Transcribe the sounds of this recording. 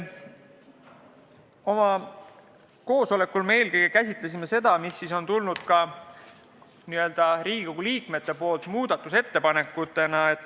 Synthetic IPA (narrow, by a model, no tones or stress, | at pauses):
o̞mɑ | ko̞ːso̞le̞kːˑulmeelkejɡekæsʲit̪ˑlesime̞se̞d̪ɑmisːiso̞nt̪ulnud̪̥kɑ | niø̞ld̪̥ɑɾiːɡikoɡuliːkme̞t̪ːe̞po̞ːlt̪muːd̪̥ɑt̪ːˑuse̞t̪ːe̞pɑne̞kːˑut̪ːˑe̞nɑe̞t̪ːˑ